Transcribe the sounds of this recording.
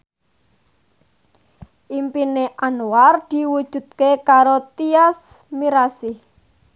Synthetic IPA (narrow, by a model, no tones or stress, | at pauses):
ʔimpineʔanward̪̥i̤wud̥ʒ̥ṳd̪̚kekaɾot̪ias | miɾasɪh